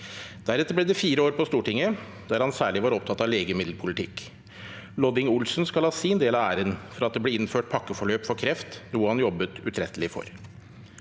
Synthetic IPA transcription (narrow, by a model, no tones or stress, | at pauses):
d̪̥æɾɛt̪ːəɾblɛːd̪ɛfiːɾəoːɾpʰɔst̪uːʈɪŋːə | d̪æɾhɑnsæːɭɪʋɑːɾɔp̚t̪ʰɑt̪ːɑʋleːɡəmɪd̪lpʰʊlɪt̪ʰɪkː | lɔd̪ɪŋʊlsnskɑlɑːsiːnd̪eːlɑæːɾənfɔɾɑt̪̚d̪ɛbleːɪnføːʈ̚pʰɑkːəfɔɭøːpfɔɾkʰɾɛft̪nuːəhɑnjɔbːət̪ʉt̪ʰɾɛt̪ːəlɪfɔ̰ɾ